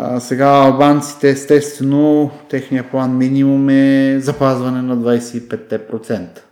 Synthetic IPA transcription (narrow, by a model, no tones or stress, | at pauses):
sɛɡaɐlˠbant̪si̥t̪ɛːst̪ɛst̪vɛnot̪ɛxnijəplˠanminimumɛzɐpazvɐnɛnɐd̪vajsɛipɛt̪ːɛpɾot̪sɛnt̪ə̥